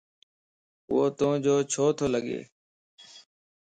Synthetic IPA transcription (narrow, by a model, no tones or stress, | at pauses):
ʊ̰oːt̪õːd͡ʒoːt͡ʃʰoːt̪ʰoːləɠḛː